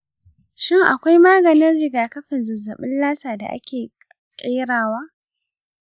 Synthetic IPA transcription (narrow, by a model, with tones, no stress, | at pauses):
ʃɪ˦˨ŋʔa̰˨kʷa˦jmaː˦ɡɐ˨nɪ˦nɽɪ˨ɡaː˨kɐ˦ɸɪ˨nzɐ˨zɐ˨ɓɪ˦nlaː˦saː˨da̰˨ʔa̰˦kʲeː˨ | kʼeː˦ɽaː˨waː˦